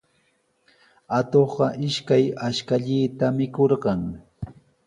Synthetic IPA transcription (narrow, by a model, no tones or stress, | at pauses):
at̪oχɢɑʔɪʃkajaʃkaʎiːt̪amɪkoɾɢɑŋ